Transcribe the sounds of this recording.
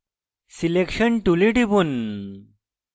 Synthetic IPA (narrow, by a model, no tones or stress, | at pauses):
silekɕəɳʈuliʈibun